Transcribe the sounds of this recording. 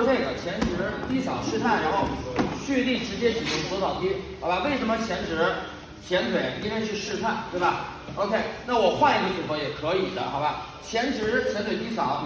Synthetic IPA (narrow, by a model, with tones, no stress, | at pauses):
kʰe˥˩ɪɡ̪ə˨˩t͡ɕʰjɛ˧˥nʈ͡ʂʰɻ̩˧˥t̪i˥sɑ˨˩ʊʂɻ̩˥˧t̪ʰa˥˩ɪɻa˧˥nxo˥˩ʊt͡ɕʰy˥˧li˥˩ʈ͡ʂɻ̩˧˥t͡ɕjɛ˥t͡ɕʰi˨˩ʊ˥˩sɔ˧˥t̪ɑ˨˩ʊt̪i˥xa˧˥ba˧we˥˩ɪʂə˧˥nmə˧t͡ɕʰjɛ˧˥nʈ͡ʂʰɻ̩˧˥ | t͡ɕʰjɛ˧˥nt̪ʰwe˧˩˦ɪi˥ka˥t͡ɕʰy˥˧ʂɻ̩˥˧t̪ʰa˥˩ɪt̪we˥˩ɪbɐ˩o˧˥ʊkʰe˥˩ɪna˥˩wɔ˨˩xwa˥˧n˧li˥˧ʂu˥˩fwɔ˧˥jɛ˨˩kʰɤ˧˥i˨˩d̪ə̰˦xa̰˧˥ɪba˧ | t͡ɕʰjɛ˧˥nʈ͡ʂʰɻ̩˧˥t͡ɕʰjɛ˧˥nt̪ʰwe˨˩ɪpi˥sɑ˨˩˦